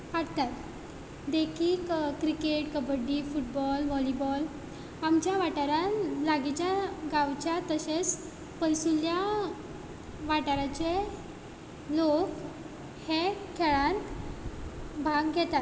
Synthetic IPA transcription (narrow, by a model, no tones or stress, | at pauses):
ʋaɽt̪at̪ | d̪ekʰiːkkɾikeʈkəbəɖifuʈ̚bɔlʋɔlibɔl | amt͡ɕjaʋaʈaɾalaɡit͡ɕjaɡawt͡ɕjat̪əɕet͡s | pəjsulja | ʋaʈəɾat͡ɕe | lok | hekʰeɭãnt̪ | bʱaɡɡʱɛt̪at̪̚